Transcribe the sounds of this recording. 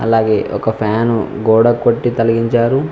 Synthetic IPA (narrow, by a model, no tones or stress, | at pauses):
ɐ̰laːɡeːʔɔkɐpʰjaːnuɡɔːɽɐkːoʈːit̪ɐlɐɡiɲt͡ʃaːɾu